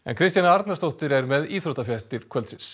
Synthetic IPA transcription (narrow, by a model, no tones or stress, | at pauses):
ɛ̰nkʰɾɪst̪janaaɾt̪naɾ̥st̪owht̪ɪɾɛɾmɛðiːθɾoht̪afjar̥t̪ɪɾ̥kʰvœlt̪sɪns